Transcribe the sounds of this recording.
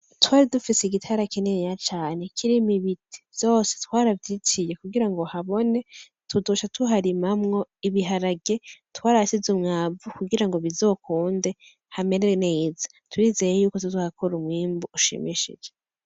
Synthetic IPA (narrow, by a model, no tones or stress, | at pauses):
twaːɾidufiseiɡitʰaɾakenejat͡ʃaːne̞kʰiɾimiβitʰi̥vj̥o̞ːsetwaːɾavjiːt͡ʃije̞kuɡiɾaŋɡo̞haβo̞ne̞ | tuduʃatuɦaɾimamŋo̞iβiɦaɾaɡe̞twaːɾasizumŋaːvukuɡiɾaŋɡoβizo̞ːkʰuːnde̞ | hameɾenejiza | twiːze̞jejuːkotuzuhakʰoɾumwiːmbuuʃḭmiʃḭd͡ʒe